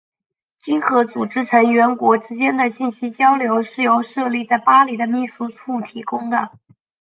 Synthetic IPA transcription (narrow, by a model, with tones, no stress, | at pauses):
t͡ɕi˥ŋxɤ˧˥t͡su˨˩ʈ͡ʂɻ̩˥ʈ͡ʂʰɤ˧˥ŋɥɛ˧˥nkwɔ˧˥ʈ͡ʂɻ̩˥t͡ɕjɛ˥nd̪ə˨ɕi˥˩nɕi˥t͡ɕjɑ˥ʊljo˧˥ʊʂɻ̩˥˩jo˧˥ʊʂɤ˥˧li˥˧t͡sa˥˩ɪpa˥li˨˩d̪ə˦mi˥˩ʂu˥t͡sʰu˥˩t̪ʰi˧˥kʊ˥ŋd̪ə˨